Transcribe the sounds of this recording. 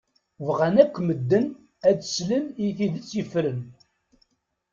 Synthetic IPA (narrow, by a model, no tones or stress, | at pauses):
vʁænækʷːməd̪ːən | ædsləmiθiðət͡sːjəfɾən